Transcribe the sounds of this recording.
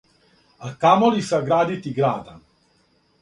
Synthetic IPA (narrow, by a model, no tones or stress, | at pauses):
akaːmɔlisaɡɾaːd̪it̪iɡɾaːd̪a